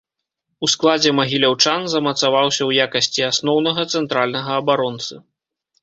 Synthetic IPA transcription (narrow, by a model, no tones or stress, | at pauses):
usklˠad͡zʲɛmɐɣʲilʲawt͡ʂanzɐmɐt̪savawsʲɐwjakɐsʲt͡sʲiasnɔwnɐɣɐt̪sɛnt̪ɾalʲnɐɣɐːbaɾɔnt̪sɨ